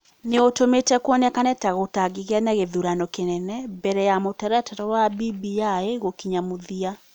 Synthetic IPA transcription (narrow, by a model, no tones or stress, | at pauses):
neotometɛkwɔnɛkanɛtaɣotaɡiɣeanaɣeðuɾanɔkenɛnɛbɛɾɛjamotaɾatatɔwabibiaeɣokiɲamoðia